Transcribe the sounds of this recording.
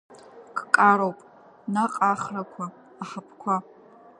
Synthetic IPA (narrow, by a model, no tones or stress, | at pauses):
kʰʼkʼaɾowpʼ | naqʼaχrakʷʰaː | ħapʰkʷʰa